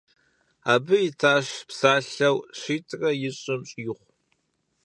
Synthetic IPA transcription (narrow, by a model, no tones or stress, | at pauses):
aːbɨjɪtʰaːʂpsaːɬɐwɕiːtʰrɐjɪɕʼɪmɕʼjɪχʷ